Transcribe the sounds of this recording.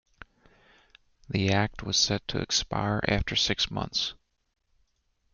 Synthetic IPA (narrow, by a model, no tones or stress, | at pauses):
ðiæk̚t̚wʌz̥sɛd̚tʰɨ̰ɨ̰kspa̰ɪɹʔæ̰ftə˞sɪksmʌ̰̃nθs